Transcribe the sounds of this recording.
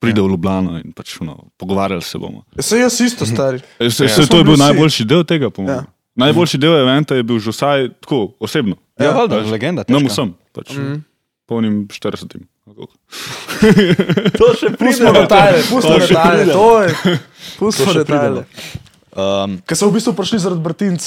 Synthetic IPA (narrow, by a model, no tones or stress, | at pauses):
pɾiːd̪ɛwljublaːnɔḭnpat͡ʃunɔ̰pɔɡɔʋaːɾjalsɛ̰bo̰ːmɔ̰sɛjəsist̪ɔst̪aɾiɛssɛt̪ojɛbiwnajbolʃid̪eːwt̪eːɡapɔmɔm | najboːlʃid̪ewɛʋɛnt̪ajɛbiwʒɛwsajt̪kʰoɔseːbnɔ | jaald̪alɛɡɛnd̪at̪nɐmusəmpat͡ʃ | pɔwnimʃt̪əɾdəsət̪im | ko̰k | oʃɛpːsmɔd̪ɛt̪ajɛpusd̪ɛtaɛt̪ojɛ | pusd̪ɛpt̪alɛ | əmkɐsɔwbiːst̪ʋupɾiʃlizaɾad̪̚bɾt̪int͡s